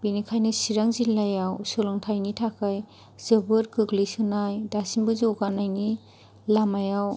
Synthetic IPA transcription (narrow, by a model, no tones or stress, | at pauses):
b̥inikʰajnɯsiɾaŋzilːajawsɯlɔŋtʰajnitʰakʰaj | z̥ɯbɯɾkʰɯklisɯnajdasinbɯzowɡanajni | lamajaw